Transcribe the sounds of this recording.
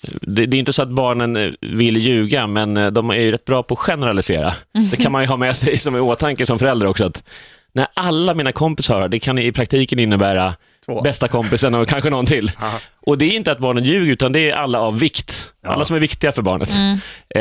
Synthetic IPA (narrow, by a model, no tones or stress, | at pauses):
d̪ɛd̪ɛːjɪnt̪əsɔat̪̚bɑːɳənvɪlːjʉ̟ːɡamɛnd̪ɔmæ̰ɾjɵɾɛt̪̚ːbɾɑːpʰɔːɧɛnɛɾalɪsḛːɾa̰d̥̪ɛkʰanmanjɵɦɑːmɛsɛjsɔmɛoːt̪ʰaŋkəsɔmfœɾɛld̪ɾaɾɔksɔat̪ | næʔalːamiːnakʰɔmpɪshœːɾaɖɛkʰanjɵɪpʰɾakt̪ʰiːkənɪnːəbæːɾa | bɛst̪akʰɔmpɪsəɳɔkʰanɧənɔnːt̪ʰɪlːʔɔd̪ɛːɾjɪnt̪əat̪̚bɑːɳənjʉ̟ːɡəɾʉ̟ːt̪and̪ɛːʔalːaavːɪkt̪ʔa̰lːasɔmæɾvɪkt̪ɪɡafœɾbɑ̰ːɳə̰t̪